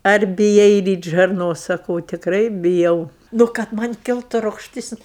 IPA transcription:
ɐr bʲɪˈjɛɪ ˈrʲiːtʲ ʒɐrˈnoːs sɐˈkɐʊ tʲɪkˈrɐɪ bʲɪˈjɛʊ ˈnʊ kɐt ˈmɐnʲ ˈkʲɪlˠtʊ rʊkʃʲˈtʲɪs

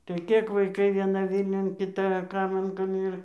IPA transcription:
tɐɪ ˈkʲeːk ʋɐɪˈkɐɪ ʋʲiɛˈnɐ ˈʋʲiːlʲnʲʊn kʲɪˈtɐ ˈkɐɪmɐn kɐm ˈɪr

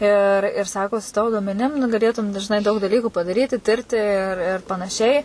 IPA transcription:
ɪr ɪr ˈsɑːkoː sʊ ˈtɑːʋoː duɔmʲɛˈnʲɪm nʊ ɡɐˈlʲeːtʊm ʒʲɪˈnɐɪ dɐʊk dɐˈlʲiːkuː pɐdɐˈrʲiːtʲɪ ˈtʲɪrʲtʲɪ ɪr ˈɪr pɐnɐˈʃʲɛɪ

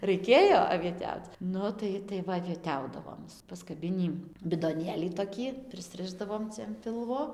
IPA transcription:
rɐɪˈkʲeːjoː ɐʋʲiɛˈtʲɛʊt͡s ˈnʊ tɐɪ tɐɪ ˈʋɐ ɐʋʲiɛˈtʲɛʊdɐʋoːm pɐskɐˈbʲɪnʲiː bʲɪdoːˈnʲeːlʲiː toːˈkʲiː pʲrʲɪsʲˈrʲɪʒdɐʋoːm ˈt͡sʲɛ ɐn ˈpʲɪlˠʋoː

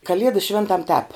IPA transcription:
kɐˈlʲiɛdɐs ˈʃʲʋʲeːntɐm tʲɛːp

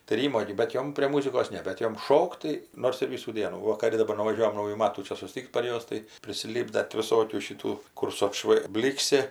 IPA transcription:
tɐɪ ˈrʲiːmoː ɡʲɪ bʲɛt ˈjoːm pʲrʲeː ˈmuːzʲɪkoːs ˈnʲɛ bʲɛt ˈjoːm ˈʃoːkt tɐɪ ˈnoːrs ɪr ˈʋʲiːsuː ˈdʲiɛnuː ˈʋɐ kɐˈdʊ dɐˈbɐr nʊʋɐˈʒʲuɔjɛm ˈnɐʊjuː ˈmɑːtuː ˈt͡ʃʲɛ sʊˈsʲtʲɪkʲtʲ pɐr ˈjuɔs tɐɪ pʲrʲɪsʲɪˈlʲiːbdɐ tʲɪ ʋʲɪˈsoːkʲuː ʃʲɪˈtuː ˈkʊr sʊ ɐtˈʃʋɐɪ ˈbʲlʲiːksʲɪ

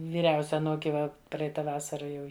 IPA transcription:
ʋʲiːˈrʲɛʊsʲɛ ɐˈnuːkʲɪ ˈʋɐ ˈprɐɪtɐ ˈʋɑːsɐrɐ ˈjɛʊ

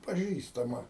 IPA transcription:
pɐˈʒʲiːstɐmɐ

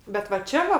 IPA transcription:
bʲɛt ʋɐ ˈt͡ʃʲɛ ʋɐ

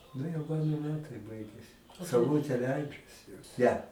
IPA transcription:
ˈnʊ jɛʊ ˈmɑːnoː ˈmʲæːtɐɪ ˈbɐɪɡʲɛsʲɪ sɐʊˈlˠʊtʲeː ˈlʲɛɪd͡ʒɐsʲɪ ˈnʲɛ

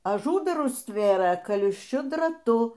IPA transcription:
ɐˈʒuːdɐrʊs ˈtʲʋʲeːrɘ kɐlˠɨʃʲˈt͡ʃʲʊ drɐˈtʊ

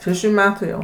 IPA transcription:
ʃʲɛˈʃʲuː ˈmʲæːtuː jɛʊ

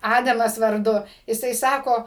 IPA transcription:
ˈɑːdɐmɐs ʋɐrˈdʊ jɪˈsɐɪ ˈsɑːkoː

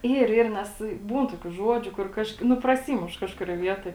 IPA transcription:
ˈiːr ˈiːr ˈnʲɛs ˈbuːn ˈtoːkʲuː ˈʒuɔd͡ʒʲʊ kʊr ˈkɐʃk nʊ prɐˈsʲiːmʊʃ ˈkɑːʃkʊrʲoːj ˈʋʲiɛtoːj

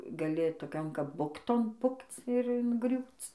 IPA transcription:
ɡɐˈlʲɪ toːˈkʲoːn kɐp ˈbʊktoːn ˈpʊkt͡s ɪr ɪŋˈɡrʲuːt͡s

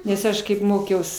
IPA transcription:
nʲɛs ˈɐʃ kɐɪp ˈmoːkʲɛʊs

